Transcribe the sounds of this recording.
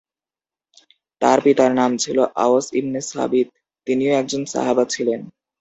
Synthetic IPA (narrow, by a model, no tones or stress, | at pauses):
t̪aɾpit̪aɾnamt͡ɕʰiloʔa̰oasḭbnesa̰bit̪̚ː | inioɛk̚d͡ʑonsa̰ɦabat͡ɕʰilen